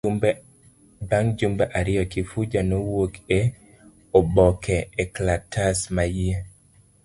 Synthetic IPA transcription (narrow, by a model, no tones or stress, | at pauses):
baŋd͡ʒumbaʔaɾɪjɔkɪfud͡ʒanowoke | ɔbɔkʰɛɛklatʰasmaje